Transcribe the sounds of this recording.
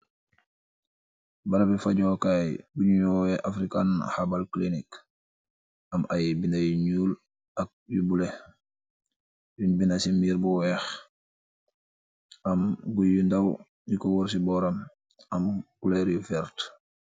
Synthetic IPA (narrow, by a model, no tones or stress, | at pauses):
baɾabifaɟoːkajbuɲujɔwɛʔafɾikanhabalklinik | ɐmajbindajiɲuːl | ɐk̚jubule | binbinasimiːɾbuwɛx | ʔɐmɡujindaw | jikɔwuɾs̬ibɔɾam | ɐmɡuleɾijufɛɾt